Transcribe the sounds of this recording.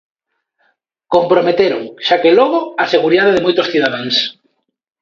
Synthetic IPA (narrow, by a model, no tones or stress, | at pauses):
kompɾomet̪eɾoŋʃakelɔɣ̞oaseɣuɾiðaðeðemojt̪osθiðaðaŋs